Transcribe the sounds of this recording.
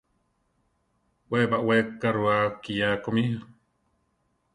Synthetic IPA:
webaʔwekːaɾuakijakomi

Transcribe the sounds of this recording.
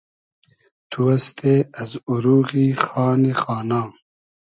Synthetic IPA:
t̪ʰuɐst̪ʰeːɐzuɾuːɣiːxaːnixaːnãː

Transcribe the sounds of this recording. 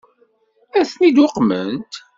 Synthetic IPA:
æθnid̪ʊqmənt̪

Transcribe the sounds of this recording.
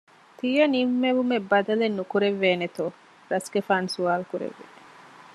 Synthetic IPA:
t̪iːjɐnimːeʋumebɐd̪ɐlenːukuɾeʋːeːnet̪oː | ɾɐsɡefaːnsuaːlkuɾḛʋːḛ

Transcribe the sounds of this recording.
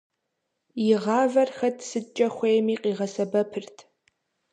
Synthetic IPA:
jɪʁɑːvɐrxɐtʰʼsɨt͡ʃʼɐχʷejmiːqʼiːʁɐsɐbɐpʰɨrtʰ

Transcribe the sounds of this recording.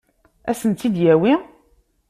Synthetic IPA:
æ̰sənt̪ːid̪jæwi

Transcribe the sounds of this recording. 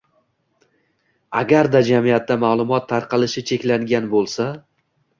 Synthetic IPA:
aɡʲaɾd̪ad͡ʒamijat̪ːamaːlˠʊmɒt̪ʰːaɾqɑlɪʃɪt͡ʃʰe̞kʲlaŋɡʲanbolˠsa

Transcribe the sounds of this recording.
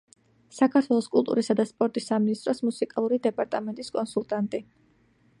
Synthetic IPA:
sakʰaɾt̪ʰwɛlˠɔskʼulˠt̪ʼṵɾisad̪aspʼɔɾt̪ʼisaminist̪ʼɾɔsmusikʼalˠuɾid̪ɛpʼaɾt̪ʼamɛnt̪ʼiskʼɔnsulˠt̪ʼant̪ʼi

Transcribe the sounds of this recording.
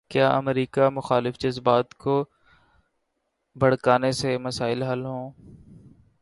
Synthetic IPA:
kjaːʔɐ̰mɾiːkamʊxaːlɪfd͡ʒɐzbaːt̪ko | bʱɐɽ̤kaːnesemɐsaːɪlɦɐlɦõː

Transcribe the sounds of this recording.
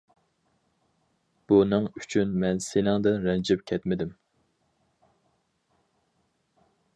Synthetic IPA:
b̥unɨŋyt͡ʃʰynmɛnsenɪŋd̪ɨnɾɛnd͡ʒɛp̚kʲʰɛt̪mɪd̪ɪm

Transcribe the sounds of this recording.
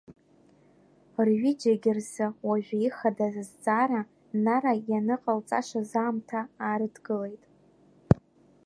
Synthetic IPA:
rɥid͡ʒaɡʲɪrzɨwaʒᶣaiχadazzt͡sʼaːɾa | naɾajanɨqʼalt͡sʼa̰ʂʷazaːmtʰaːɾɨdʰɡɨle̞jtʼ

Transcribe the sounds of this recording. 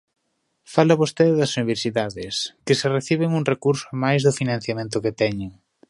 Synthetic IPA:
falɐβost̪eðɪðɐsuniβ̞eɾsiðaðɪskɪsɪreθiβɪŋuŋrekuɾsʊamajzðʊfinãn̟θjamẽnt̪ʊket̪ɛɲɪŋ

